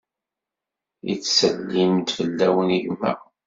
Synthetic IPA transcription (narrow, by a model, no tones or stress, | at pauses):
ḭt͡sːsəlːimt̪fəlːæwəniʝmæ̰